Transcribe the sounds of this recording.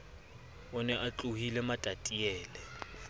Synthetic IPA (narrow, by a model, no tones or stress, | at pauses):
ʊnɛʔat͡ɬʼuhilɛmatʼatʼiɛːlɛ